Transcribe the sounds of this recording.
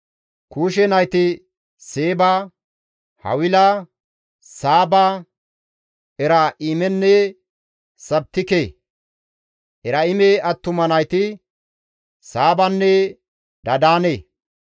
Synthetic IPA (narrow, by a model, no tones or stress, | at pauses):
kuːʃ̬ɛnɐjt̪ɪ | seːbaː | hɐ̰wɪlɐ | saːbaː | ɛɾaʔimɛnːɛ | sɐb̚t̪ːɪke | ʔɛɾɐɪmeɐt̪ːʊmɐnɐjt̪ɪ | saːbɐnːɛ | d̪ɐd̪aːneː